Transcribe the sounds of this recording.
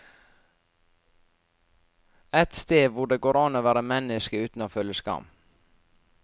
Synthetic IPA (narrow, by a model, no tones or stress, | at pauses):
ɛt̪st̪eːʋʊɖeːɡoːɾɑnoːʋæːɾəmɛnɪskəʉːt̪n̩oːfœljəskɑ̰m